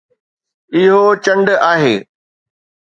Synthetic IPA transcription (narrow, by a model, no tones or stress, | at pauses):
ɪɦot͡ɕɐ̃ɳɖaːɦeː